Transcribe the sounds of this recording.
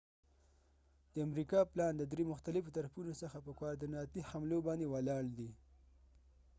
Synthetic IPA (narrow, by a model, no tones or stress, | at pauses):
d̪̥əamɾikɑplɑnd̪əd̪ɾemʊxt̪alɪfot̪aɾafunosəxapəkwɑɾd̪inɑt̪ihamlobɑnd̪ewalɑɽd̪i